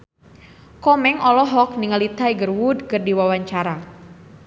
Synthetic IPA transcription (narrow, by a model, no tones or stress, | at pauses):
kɔmɛŋɔlɔɦɔk̚niŋəlit̪aiɡərwudkərdiwawaɲt͡ʃaɾa